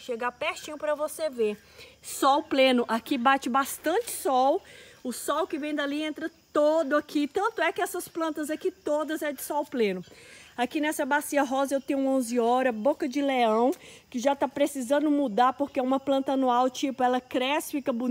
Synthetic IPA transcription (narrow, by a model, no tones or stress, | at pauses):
ʃeɡapeht͡ʃĩɲʊpɾɐvoseve | sɔwplẽnʊʔakibat͡ʃɪbast̪ɐ̃t͡ʃɪ̥sɔwʊsɔwkɪvẽj̃d̪ɐliẽnt̪ɾɐtt̪od̪ʊakʰit̪ɐ̃nt̪ʊɛkɪɛsɐsplɐ̃nt̪ɐzɐkit̪od̪ɐzɛd͡ʒɪsɔwplẽnʊakinɛsɐbasiɐɦɔzɐewt̪ẽɲʊ̃õzɪɔɾɐbokɐd͡ʒɪleɐ̃w̃kɪʒat̪apɾesizɐ̃nd̪ʊmud̪aɾpoɾkeɛũmɐplɐ̃nt̪ɐɐnuawt͡ʃipʊɛlɐkɾɛsɪ̥fikɐbu